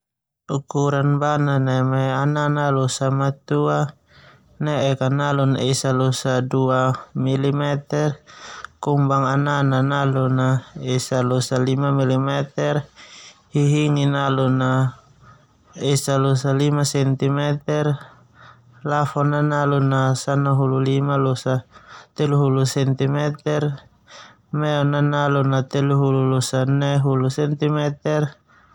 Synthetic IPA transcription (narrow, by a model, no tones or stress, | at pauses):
ukuɾanbananamɛananalɔsamat̪ua | nɛɛkanalunɛsalɔsaduamilimɛt̪ɛrkumbaŋanananalunaɛsalɔsalimamilimɛt̪ɛrhiɦiŋinaluna | ɛsalosalimasɛnt̪imɛt̪ɛr | lafɔnanalunasanaɦululimalɔsat̪ɛluɦulusɛnt̪imɛt̪ɛr | mɛɔnanalunat̪ɛluɦululusanɛɦulusɛnt̪imɛt̪ɛr